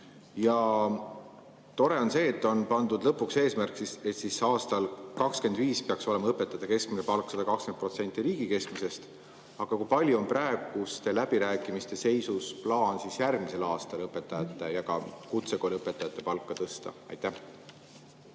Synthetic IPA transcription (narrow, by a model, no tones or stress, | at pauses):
jɑ | t̪o̞ɾe̞o̞nse̞ːt̪ːˑo̞npɑnd̪ud̪lɤpːukse̞ːsmærksise̞t̪sisɑːst̪ɑlkɑkske̞nd̪viːspeɑkso̞le̞mɑɤpːˑe̞t̪ːˑɑt̪ːɑke̞skminepɑlksɑd̪̥ɑkɑkske̞nt̪pro̞t̪se̞nt̪ːˑiɾiːɡ̥ike̞skmise̞st̪ | ɑɡ̥ɑkujpɑlʲjuo̞npræeɡ̥ust̪e̞læbiɾæːkːˑimist̪e̞se̞jsusplɑːnsisjærɡmise̞lɑːst̪ɑlɤpːˑe̞t̪ːˑɑjɑt̪ːˑe̞jɑkɑ̰kut̪se̞kolʲiɤpːˑet̪ːˑɑjɑt̪ːˑe̞pɑlkˑːɑt̪ɤst̪ɑ̰ɑ̰jt̪ːˑæh